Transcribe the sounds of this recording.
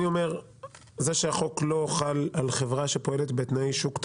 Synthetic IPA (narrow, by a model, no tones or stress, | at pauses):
io̞me̞ʁ | zeʃeaχo̞klo̞χalalχevʁaʃepo̞e̞le̞t̪bet̪najʃukt̪